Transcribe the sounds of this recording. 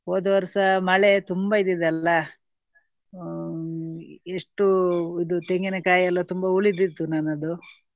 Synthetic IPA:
oːd̪ɐʋɐɾsɐmɐɭet̪umbɐid̪id̪ɐlːɐ | eʂʈuid̪ut̪eŋɡinɐkaːjɐlːɐt̪umbɐuɭid̪id̪ːunanɐd̪u

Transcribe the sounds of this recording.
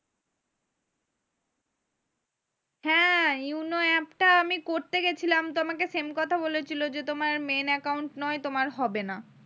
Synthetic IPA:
hɛ̃unoɛpʈaamikoɾt̪eɡet͡ɕʰilamt̪omakesemkɔt̪ʰabolet͡ɕʰilod͡ʑet̪omaɾmenɛkawɳʈnɔet̪omaɾɦɔbena

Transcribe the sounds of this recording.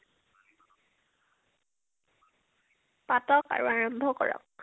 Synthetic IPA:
patɔka̰ɹuaɹɔmbʱɔkɔɹɔ̰k̚

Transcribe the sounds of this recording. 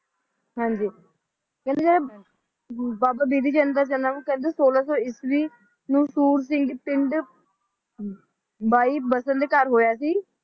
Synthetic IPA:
ɦãːɲd͡ʒiː | kɛ̃ːnd̪eːd͡ʒeɾe | baːbaːbiːd̪iːt͡ʃə̃nd̪aːd͡ʒənaːnũːkɛ̃ːnd̪eːsoːlaːsɔːɪsʋiː | nũːsuːɾs̬ɪ̃ŋɡpɪɳɖ | baːiːbəsənd̪eːkəɾɦoːjaːsiː

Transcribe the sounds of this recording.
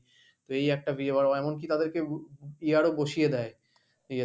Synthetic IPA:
t̪oejɛk̚ʈabieβaɾɛmonk̬it̪ad̪eɾkeiaɾoboʃijed̪ɛe | i

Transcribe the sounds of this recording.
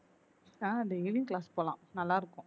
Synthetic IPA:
aːɐd̪elɪŋklaːspoːlã̰ːnɐlːaːɪɾɯkːʊ̃

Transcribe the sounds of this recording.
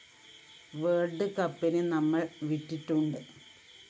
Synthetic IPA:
ʋeːrɖɨkɐpːinɨnɐmːɐɭʋitːiʈːuɳɖɨ

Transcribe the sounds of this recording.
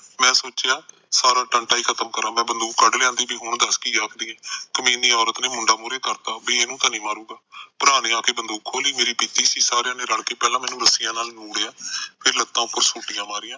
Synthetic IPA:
mɛ̃ːsoːt͡ʃɪjaː | saːɾaːʈəɳʈaːiːkʰət̪əmkəɾãːmɛ̃ːbənd̪oːkːəɖlejãːnd̪iːbiːɦoɳd̪əskiːd͡ʒaːkd̪iːɛ̃ːkəmĩːniːɔːɾət̪neːmʊɳɖaːmʊːɾeːkəɾt̪aːbiːeːnũːt̪ãːnĩːmaːɾuːɡaːpʊɾaːneːaːkeːbənd̪oːkkʰːoːliːmeːɾiːpiːt̪iːsiːsaːɾejãːneːɾəɽkeːpɛːlãːmɛːnũːɾəsɪjãːnaːlnuːɽeːaːpʰɪɾlət̪ːãːʊpːəɾsuːʈɪjãːmaːɾɪjãː

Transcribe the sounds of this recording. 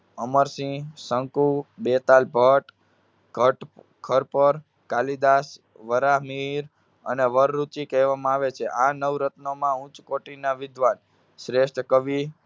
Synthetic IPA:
əməɾsĩsəŋkubet̪albʱəʈ | əʈ | kʰəɾpəɾ | kalid̪as | ʋəɾamiɾ | əneʋəɾːut͡ʃikɛʋamãaʋet͡ʃʰeʔanəʋɾət̪nomãũt͡ʃkoʈinaʋɪd̪ʋan | ʃɾeʃʈʰkəʋi

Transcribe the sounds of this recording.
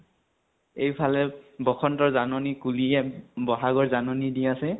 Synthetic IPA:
ejpʰalɛbɔxʰɔntɔɹzanɔnikuliɛbɔɦaɡɔɹzanɔnidiasɛ

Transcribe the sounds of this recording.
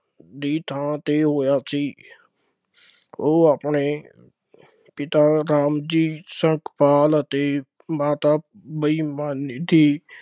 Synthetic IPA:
d̪iːt̪ʰãːt̪eːɦoːjaːsiː | oːapɳeː | pɪt̪aːɾaːmd͡ʒiːsə̃ŋkʰpaːlət̪eː | maːt̪aː | bəiːmaːnd̪iː

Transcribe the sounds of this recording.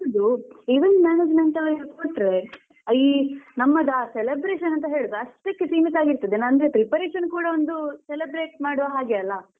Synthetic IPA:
ɐd̪uiʋɐnd̪mjaːneːd͡ʒmeɳʈɐlɐikoʈːɾe | ɐinɐmːɐd̪aːselebɾeːʃɐnɐnt̪ɐɦe̞ːɭud̪ɾeɐʂʈɐkːesiːmit̪aːɡiɾt̪ɐd̪enɐnɡ̪epɾipɐɾeːʃɐnkuːɽɐond̪uselebɾeːʈ̚maːɽuʋɐɦaːɡeɐlːɐ

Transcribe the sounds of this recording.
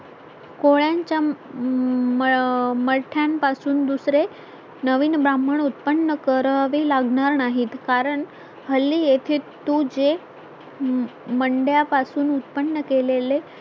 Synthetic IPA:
koɭjaɲt͡ɕja | məlʈʰjampasuːnd̪usɾe | nəʋiːnbɾaməɳut̪̚pənːəkəɾəɦʋelaɡɳaɾnaɦiːt̪kaɾəɳ | həlːijet̪ʰet̪ud͡ʑe | məɳɖjapasuːnut̪̚pənːəkelele

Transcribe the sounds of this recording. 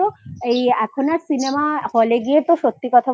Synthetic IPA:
oejɛkʰonaɾsinemafoleɡijet̪oʃot̪ːikɔt̪ʰa

